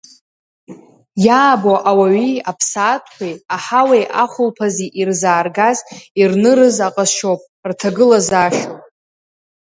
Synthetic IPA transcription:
jaːboʔawaɥiapʰsaːtʼʰkʷʰajaħawejʔaχʷʊlpʰaziʔirzaːrɡazirnɨɾɨzaqʼaʃowpʼ | rtʰaɡɨlazaʃopʼ

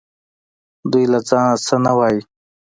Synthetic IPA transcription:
d̪ujlat͡sɑnasənawaːji

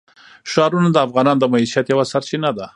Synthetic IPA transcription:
ʃɑɾunad̪əafɣɑnɑnd̪əmaiʃijat̪jawasaɾt͡ʃinad̪a

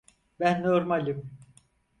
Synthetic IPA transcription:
bænːoɾmalʲim

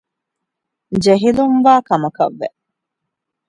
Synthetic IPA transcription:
d͡ʒeɦilumʋaːkɐmɐkɐ̰ʋːḛ

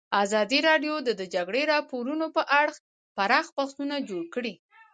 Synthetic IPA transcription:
azɑd̪iɾɑɖjod̪əd̪əd͡ʒaɡɽeɾɑpoɾunopəʔaɽx | paɾɑxbaxt̪unad͡ʒoɽkɽi

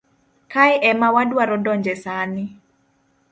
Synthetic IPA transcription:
kajʔɛmawadwaɾɔdɔɲd͡ʒɛsanɪ

